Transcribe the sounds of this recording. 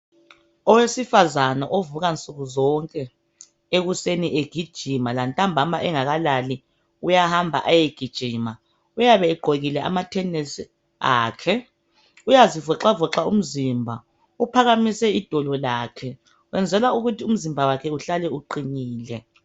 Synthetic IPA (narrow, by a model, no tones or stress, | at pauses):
ɔwesifazanaʔovuɣant͡sʼuɣuzɔŋkʼɛ | eɣuseniʔeɡ̥ʱid̥ʒ̥ʱimalantʼambʱamaʔɛŋaɣalali | ujahambʱa̰ʔajeɡ̥ʱid̥ʒ̥ʱima | ujaβɛːɡ͡ǃʱoɣilɛʔa̰matʰɛnɛsi | aːkʰɛ | ujazivɔǁavɔǁaṵm̩zimbʱa | upʰaɣamisɛid̥ʱɔlɔlaːkʰɛ | wɛnd͡zʱɛlauɣutʰium̩zimbʱawakʰɛuɬalɛuǃiniːlɛ